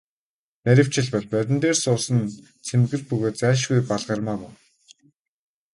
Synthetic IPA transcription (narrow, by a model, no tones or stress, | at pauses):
næɾʲɪ̆w̥t͡ɕɪ̆ɮpɔɮpæɾʲɪ̆nt̪eːrsʊːsə̆n | t͡sʰemɡɘ̆rpɵɣoːt̪t͡sæːʃ̬ɣujpaɮʁə̆rmaːmʊw